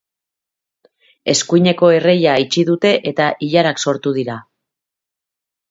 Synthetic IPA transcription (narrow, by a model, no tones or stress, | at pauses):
e̞skuijɲe̞ko̞e̞re̞jaːjt͡ʃiðut̪e̞ʔe̞t̪aʔiʎaɾakso̞ɾt̪uðiɾa